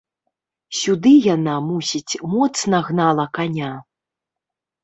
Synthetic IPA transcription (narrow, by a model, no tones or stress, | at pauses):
sʲud̪ɨjanamusʲit͡sʲmɔt̪snɐɣnalˠɐkanʲa